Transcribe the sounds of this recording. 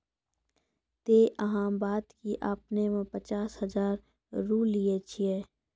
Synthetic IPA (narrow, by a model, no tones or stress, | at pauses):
t̪eːʔɐɦãːmbaːd̪kiʔaːpnemẽpət͡ʃaːshəzaːɾː | uːliet͡ʃʰiɛː